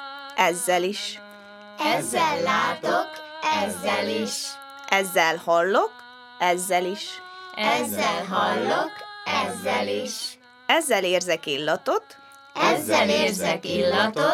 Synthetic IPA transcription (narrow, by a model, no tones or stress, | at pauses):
ʔɛzːɛliʃ | ɛzːɛlːaːt̪okɛzːɛliʃ | ʔɛzːɛlhɒlːo̞k | ɛzːɛliʃɛzːɛlɦɒlːokɛzːɛliʃ | ɛzːɛleːrzɛkilːɒt̪o̞t̪ | ɛzːɛleːrzɛkilː